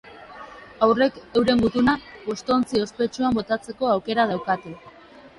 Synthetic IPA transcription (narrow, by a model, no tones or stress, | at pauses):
awre̞ke̞wɾe̞ŋɡut̪unao̞st̪oːnt͡sio̞spe̞t͡ʃuambo̞t̪at͡se̞ko̞awke̞ɾað̞awkat̪e